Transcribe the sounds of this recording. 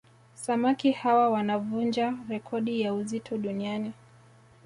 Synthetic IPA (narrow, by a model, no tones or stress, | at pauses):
samakihawawanavund͡ʒaɾɛkʰɔɗijauzitʰɔɗuniani